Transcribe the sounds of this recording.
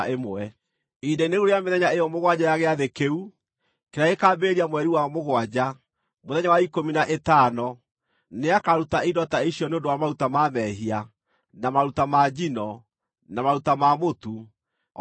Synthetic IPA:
emɛ | ideneɣuɾejameðɛɲaejɔmoɣwad͡ʑajaɣeaðekeu | keɾaekaːbeːɾiamwɛɾiwaɔmoɣwad͡ʑa | moðɛɲawaikominaʔetaːnɔ | neakaɾutaidɔtaiɕiɔneondowamaɾutamamɛɦia | namaɾutamad͡ʑinɔ | namaɾutamamotu

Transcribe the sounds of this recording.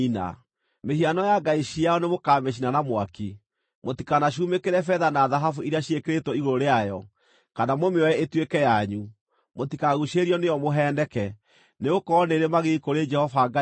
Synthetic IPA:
ina̰ | mehianɔjaɡaiɕiaɔnemokaːmeʃ̬inanamwaki | motikanaʃ̬umekeɾɛfɛðanaðaɦafuiɾiaɕiekeɾetɔiɣoɾoɾeajɔ | kanamomeɔjɛetwekɛjaɲu | motikaɣuʃeɾiɔnejɔmoɦɛːndɛkɛ | neokɔneɾemaɣekoɾed͡ʒɛhɔfaɡa

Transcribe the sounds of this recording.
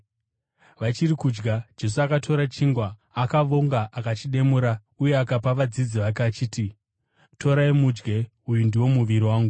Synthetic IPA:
ʋat͡ʃirikud͡ʒɡad͡ʒe̞s̬uakatʰo̞ɾat͡ʃiŋɡwaː | kaʋoŋɡaʔakat͡ʃiɗe̞muɾa | uje̞akapaʋad͡zid͡ziʋakat͡ʃiːti | to̞ɾaimud͡ʒɡe̞ | ujundiwo̞muʋiɾiwaːŋɡu

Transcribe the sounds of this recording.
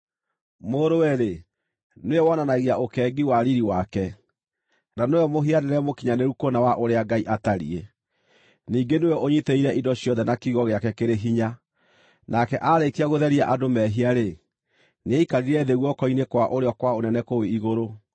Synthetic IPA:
moːɾowɛɾe | neewɔnanaɣeaʔokɛːɡiwaɾiɾiwakɛ | nanojɔmoɦianeɾɛmokiɲaneɾukonawaʔoɾeaɡaiʔataɾḭe | niːɡenweɔoɲiteiɾɛʔidɔɕjɔðɛnakiɣɔɣeakɛkeɾeɦiɲa | nakɛʔaɾekiaɣoðɛɾiaʔadomɛɦiaɾe | neɛikaɾiɾɛðeɣwɔkɔinekwaʔoɾeɔkwaonɛnɛkoweiɣoɾo

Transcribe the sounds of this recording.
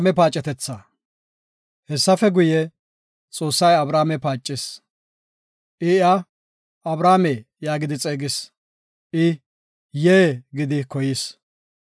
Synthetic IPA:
mɛpaːt͡ʃʼːɛt̪ɛt͡sːɐ | hɛsːɐfɛɡʊjɛ | t͡sʼo̞ːsːɐjɐbɾaːmɛpaːt͡ʃʼːɪs | ʔɪɪa | ɐbɾaːmejaːɡɪd̪ɪt͡sʼeːɡɪs | ʔɪ | jeɡɪd̪ɪkɔjɪs

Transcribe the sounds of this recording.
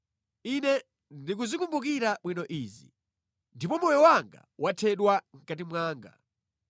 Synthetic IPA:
inɛ | ndik̬uzikumbuk̬iɾaɓwinɔʔiːzḭ | ndipɔmɔjɔwaŋɡa̰wʔatʰɛɗwaŋ̩katimwaːŋɡa̰

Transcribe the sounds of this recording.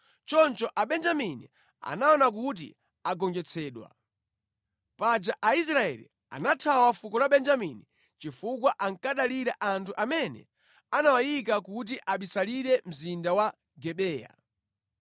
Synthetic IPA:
t͡ʃɔnt͡ʃɔʔaɓɛnd͡ʒaminḭ | a̰naɔnak̬ut̬ḭ | aɡɔŋd͡ʒɛt͡sʰɛːɗwa̰ | pad͡ʒaʔais̬ɾaɛ̰lḭ | a̰natʰawafukɔlaɓɛnd͡ʒamini | t͡ʃifukwaʔaŋkaɗaliɾaʔantʰuʔamɛnɛ̰ | anawajik̬akut̬iʔaɓisaliɾɛm̩zindawa | ɡɛɓɛːja̰

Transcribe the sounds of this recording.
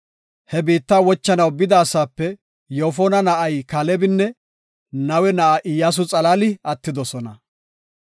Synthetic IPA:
hɛbiːt̪ːaːwɔt͡ʃːɐnɐwbɪd̪aːsaːpːɛ | joːfɔnɐnɐʔɐjkɐlɛbɪnːɛ | nɐwɛnɐʔaʔɪjaːs̬ʊt͡sʼɐlaːlɪɐt̪ːɪd̪ɔsɔnɐ

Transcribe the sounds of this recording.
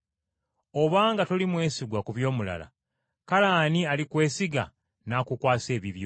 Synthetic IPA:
oβaːŋɡatolimwe̞ːsiɡwakuβjo̞ːmula̰la̰ | kalaːnialikwe̞ːsiɡa̰ | naːkukwaːse̞ːβiβjo

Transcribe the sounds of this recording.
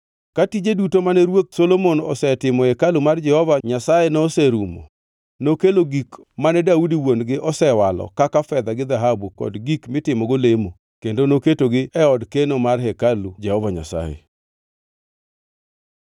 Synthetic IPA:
katid͡ʒedutomanɛɾwok̚solomonɔ̰sɛtɪmɔɛkalumard͡ʒɛhɔvaɲasajenɔsɛɾumo̰ | nokeloɡikmanɛdaudiwonɡɪʔɔsɛwalɔ̰kakafɛd̪aɡɪd̪aɦabukɔ̰dɡikmɪtɪmɔɡolemo | kendonoketoɡɪɛɔdkenomarhɛkalud͡ʒɛhɔvaɲa̰sa̰jḛ

